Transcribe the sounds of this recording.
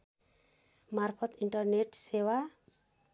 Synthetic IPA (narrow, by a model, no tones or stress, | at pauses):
marpʰʌt̪iɳʈʌrneʈsewa